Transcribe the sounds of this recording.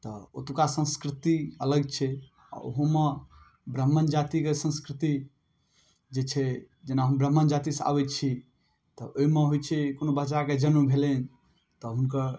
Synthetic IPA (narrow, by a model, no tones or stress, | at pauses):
t̪ɔo̰t̪ukasə̃skɾit̪iələɡ̚t͡ʃʰɛ | a̰ɾo̰ɦõme | bɾəmːənd͡ʒat̪ikesə̃skɾit̪i | d͡ʒet͡ʃʰɛ | d͡ʒenaɦəmbɾəmːənd͡ʒat̪isa̰bɛt͡ʃʰi | t̪ɔoimeɦojt͡ʃʰɛkonobət͡ʃaked͡ʒənmebʱelen | t̪ɔɦunkəɾ